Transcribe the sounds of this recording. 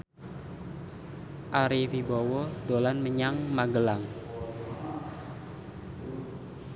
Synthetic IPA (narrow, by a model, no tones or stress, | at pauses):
ʔaɾifibɔwɔdolanməɲaŋmaɡəlaŋ